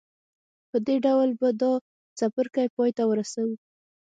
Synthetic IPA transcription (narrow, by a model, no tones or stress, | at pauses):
pəd̪eɖawlbad̪ɑ | t͡sapəɾkajpɑjt̪awəɾasawu